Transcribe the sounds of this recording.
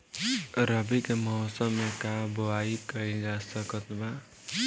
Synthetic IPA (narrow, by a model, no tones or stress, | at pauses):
ɾəbikemɔɦɔsəmːekaboaikəid͡ʒasəkət̪ba